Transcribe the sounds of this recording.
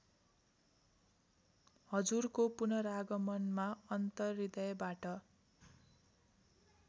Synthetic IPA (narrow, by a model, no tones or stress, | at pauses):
hʌd͡zurkopunʌɾaɡʌmʌnmaʌnt̪ʌrːid̪ʌjʌbaʈʌ